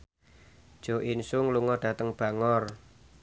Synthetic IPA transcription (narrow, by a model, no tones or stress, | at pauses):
d̥ʒ̥o̤ʔinsʊŋluŋɔɖ̥ä̤t̪əŋb̥a̤ŋɔr